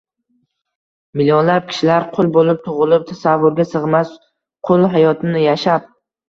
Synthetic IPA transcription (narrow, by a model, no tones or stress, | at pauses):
mɪljɒnlap̚kʲʰɪ̥ʃɪlaɾqʰʊlˠbolɪp̚t̪ʰʊʁɨlˠɪp̚t̪ʰasavːʊɾɡʲasɨʁmas | qʰolˠɦajɒt̪ʰɪnɪjaʃap̚